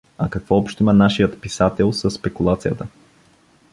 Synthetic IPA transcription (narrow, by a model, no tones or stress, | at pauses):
akɐkvɔɔpʃt̪imɐnaʃijət̪pisat̪ɛlˠsəsːpɛkulˠat̪sijət̪ə